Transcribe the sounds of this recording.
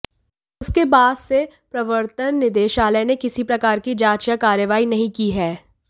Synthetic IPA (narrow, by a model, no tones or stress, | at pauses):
ʊskebaːd̪se | pɾɐʋəɾt̪ənːɪd̪eːʃaːlɛnekɪsipɾɐkaːɾkid͡ʒaːt͡ʃjakaːɾjəʋaːinɐɦĩkiɦɛː